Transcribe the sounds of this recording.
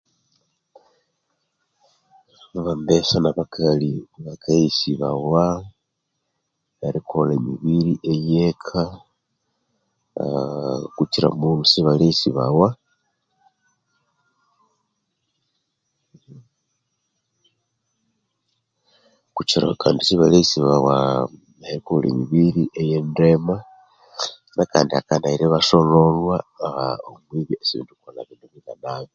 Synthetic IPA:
aβambesanaβakʰaliβakʰaisiβa̰wa | βaɾikʰolemiβiɾiʔejekʰa | kut͡ʃiɾa̰munusiβalesiβa̰wa | kut͡ʃiɾa̰kaːndisiβalesiβawa | nahekulḭmiβiɾiʔejendema | naka̰ːndiakandaiɾeβaʃololwaaomwiβiesiβḭːntukolaβinuβitanaːβi

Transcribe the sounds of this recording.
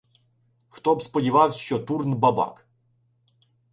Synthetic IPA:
xt̪ɔbspədʲɪvawʲɕɔt̪urnbɐba̰k

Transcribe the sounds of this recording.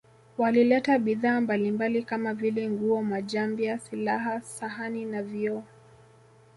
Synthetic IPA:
walilɛtaɓiðaːmbalimbalikamavilɛŋɡuɔmaʄambiasilaɦasaɦaninaviɔ

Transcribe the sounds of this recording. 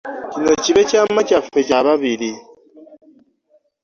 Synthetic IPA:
cino̞ciβe̞camacafe̞caβaβiɾi

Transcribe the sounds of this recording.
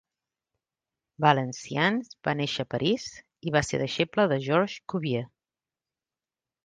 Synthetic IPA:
bələnsianzba̰neʃəːpəɾʔiz | iβasḛðəʃepləðəʒɔɾʒkuβje

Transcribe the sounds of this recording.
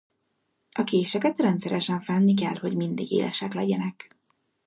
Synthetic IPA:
ɒkeːʃɛkɛt̪rɛnt̪sɛɾɛʃɛɱfɛnːik̬ɛlho̞ɟmind̪iɡḛːlʔɛ̰ʃɛklɛɟɛnɛk

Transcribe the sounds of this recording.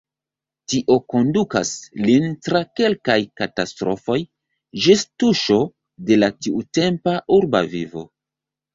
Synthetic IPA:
tiʔo̞ko̞nduka̰slintɾake̞lkajkatastɾo̞fo̞j | d͡ʒistuʃo̞ | de̞latiute̞mpaʔuɾba̰vivo̞̰

